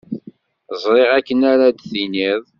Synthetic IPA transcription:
zˤɾˤeʁækːənæɾad̪θiniðˤ

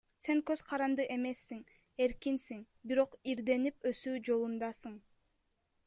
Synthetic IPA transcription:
se̞ŋkøz̥qʰɑɾɑnd̪ɯʔe̞me̞sːiŋ | e̞ɾkinsiŋ | biɾo̞qiɾd̪e̞nipø̞syːd͡ʒo̞lˠund̪ɑsɯɴ

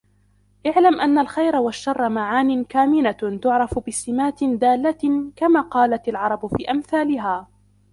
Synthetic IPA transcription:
ʔɪʕlamʔanːalxajɾawaʃːɑrˤːɑmaʕaːnɪkaːmɪnat̪ʊʕɾˤɑfbɪsɪmaːt̪d̪aːlːakamaːqɑːlat̪alʕɑɾˤɑbfiːʔamθaːlɪɦaː

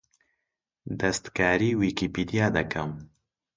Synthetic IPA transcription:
d̪ɛst̪kaːɾiːwiːkiːpiːd̪ijaːd̪ɐkʰɐm

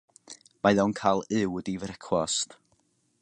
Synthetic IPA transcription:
majðɔwnkʰalˠɪwədivɾɛkʰwɔst

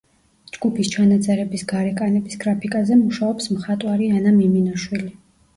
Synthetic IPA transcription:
d͡ʒɡupʰist͡ʃʰanat̪sʼɛɾɛbisɡaɾɛkʼanɛbisɡɾapʰikʼazɛmuʃaɔpsmχat̪ʼwaɾianamiminɔʃwili

